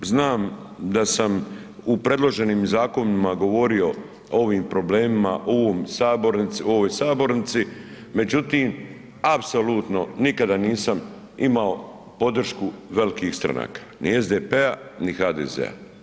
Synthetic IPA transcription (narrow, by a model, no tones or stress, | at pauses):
znaːmd̪asam | upɾe̞d̪lˠo̞ʒe̞niːmzaːko̞nimaɡo̞ʋo̞ɾio̞ | oʋiːmpɾo̞ble̞ːmima̰ʔoʋoːmsaːboɾnit̪sio̞ʋojsaːbo̞ɾnit̪sime̞d͡ʑut̪iːm | apsoluːt̪no̞nikad̪aniːsam | imao̞ | po̞d̪r̩ʃkuʋe̞likiːxst̪ɾa̰na̰ːkḁ | nie̞zd̪epeanixaːd̪ḛzḛa̰